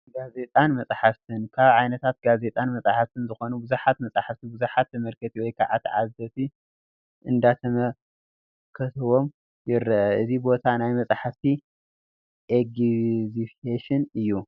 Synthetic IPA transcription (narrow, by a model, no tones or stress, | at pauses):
ɡaze̞t̪ʼanmɐsʼħaft̪ʰɨnkʰaβʕajnɐt̪ʰat̪̚ɡaze̞t̪ʼanmɐsʼaħaft̪ʰɨnzɨxo̞nubɨzuħat̪mɐsʼaħaft̪ʰibɨzuħat̪ːɐmɐlkʰɐt̪ʰiwɔjkʰaʕat̪ʕa̰zɐt̪i | ʔɨnd̪at̪ʰɐmɐ | kʰɐt̪ʰɐwo̞m | jɪɾːɐʔɐʔɨzibo̞t̪ʰanajmɐsʼaħaft̪ʰi | ʔeɡzifeʃɪnɨjːu